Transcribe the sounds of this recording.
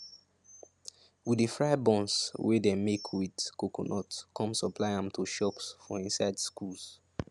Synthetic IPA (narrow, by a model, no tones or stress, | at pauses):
wiifɹajbɔ̃nswedemekʰwidkokonɔtkɔ̃msɔplaɪãmtʰoʃɔksfɔĩnsaɪdskuls